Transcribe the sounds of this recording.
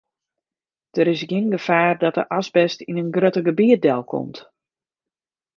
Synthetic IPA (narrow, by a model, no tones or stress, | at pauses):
d̥əɾɪs̬ɡɪnɡəfaːrdɔtə̰ʔasbɛstinənɡrøtəɡəbiət̚dɛlˠkʰɔ̰mt